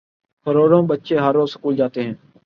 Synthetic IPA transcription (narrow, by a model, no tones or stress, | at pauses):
pʰəɾoːɽõːɓətːʃeːɦəɾoːsə̥kuːld͡ʒaːt̪eːɦɛ̃ː